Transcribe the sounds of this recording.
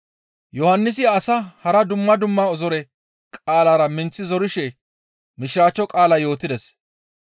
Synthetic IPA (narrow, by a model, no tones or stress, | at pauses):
jɔhɐnːɪs̬ɪɐsɐhɐɾɐd̪ʊmːɐd̪ʊmːaːɔzɔɾɛ | kʼaːlaːɾɐmɪnt͡sːɪzɔɾɪʃɛ | mɪʃɾaːt͡ʃːɔkʼaːlɐjo̞ːt̪ɪd̪ɛs